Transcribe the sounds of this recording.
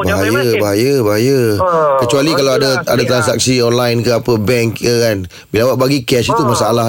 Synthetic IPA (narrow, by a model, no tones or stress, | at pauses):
baɦajəbaɦajəbaɦajəkət͡ʃualikalawadaadat̪ɾans̬ak̚siɔnlajnkəapəbɛŋkəkan | bilawaʔ̚baɡikɛsit̪umasaala